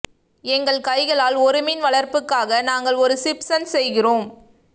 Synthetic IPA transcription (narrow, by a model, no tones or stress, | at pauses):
ɛŋɡɐɭkɐɪɣɐɭaːlɔɾɯmɪnʋɐɭɐɾpɯkːaːɣɐnaːŋɡɐɭɔɾɯsɪpsɐnsɛjɣɪroːm